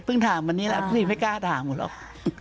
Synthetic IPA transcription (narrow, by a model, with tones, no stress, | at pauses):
pʰɯ˥˩ŋt̪ʰaː˨˩˦mwa˧nːi˦˥lɛ˦˧˥kʰi˧˩ma˥˩jkaː˥˩t̪ʰaː˨˩˦mu˨˩lɔ̰˧˥˩k̚